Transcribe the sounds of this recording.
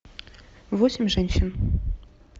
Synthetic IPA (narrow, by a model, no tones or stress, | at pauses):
vosʲɪmʲʐɛnʲɕin